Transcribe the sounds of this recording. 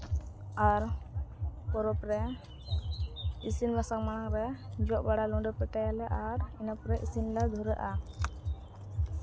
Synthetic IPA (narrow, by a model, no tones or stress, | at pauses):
aɾ | pɔɾɔpɾɛ | isinbasaŋmanaŋɾɛd͡ʒɔʔ̚baɽalɔ̃ɖɔpɛʈajalɛʔaɾinapɾɛʔisinlad̪ʱɔɾəʔa